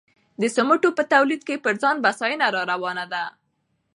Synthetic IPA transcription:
d̪əsʊməʈopət̪awlid̪̚kepəɾzɑnbasɑjənaɾɑɾawɑnad̪a

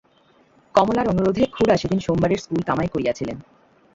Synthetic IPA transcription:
kɔmolaɾonuɾod̪ʱekʰuɽaʃed̪inʃombaɾeɾskulk̪amaekoɾiat͡ɕʰilen

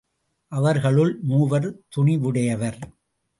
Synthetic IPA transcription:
ʔɐʋɐɾɣɐɭɯɭmuːʋɐɾt̪ʊɳɪʋɯɽɐjɐʋɐɾ

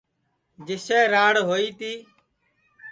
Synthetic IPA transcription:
d͡ʒɪsɛːɾaːɽɦoːiːt̪iː

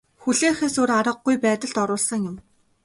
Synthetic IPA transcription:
xuɮeːxeːsoɾaɾə̆ɡ̚ːujpæːt̪ə̆ɮt̪ɔɾʊːɮsə̆ŋjʊm

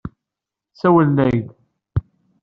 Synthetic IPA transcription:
sæwəlnæjð

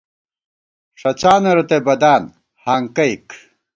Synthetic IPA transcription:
ʂɐt͡ɕaːnɐɾɐt̪ebɐd̪aːn | haːŋkɐjik

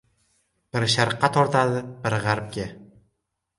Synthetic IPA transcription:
b̥ɪɾʃaɾqʰːɑt̪ʰɒɾt̪ʰad̪ɪb̥ɪɾʁaɾp̚ɡʲa

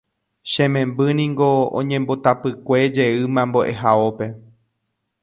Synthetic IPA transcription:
ʃẽmẽ̞mbɨnĩŋɡo̞õ̰ɲẽmbo̞t̪apɨkʷe̞d͡ʒe̞ɨmãmboʔe̞ɦaope̞

